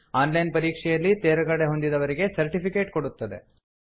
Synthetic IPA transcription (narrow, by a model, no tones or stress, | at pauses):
aːnlɐjnpɐɾiːkʂɛjɐlːit̪eːɾɐɡɐɽe̞ɦo̞nd̪id̪ɐʋɐɾiɡe̞sɐɾʈipike̞ːʈko̞ɽut̪ːɐd̪e̞̰